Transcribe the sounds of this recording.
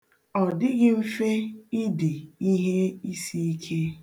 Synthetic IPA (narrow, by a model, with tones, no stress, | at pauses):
ɔ˨dɪ˦ɣɪ˦m̩˦fe˦ɪ˦de˨i˦ɦe˦i˦si˦i˦kʰe˦